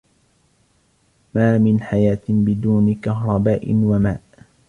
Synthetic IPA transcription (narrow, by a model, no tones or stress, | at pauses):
maːmɪnħajaːt̪ɪbɪd̪uːnɪkaɦɾˤɑbaːʔɪ̰nwamaːʔ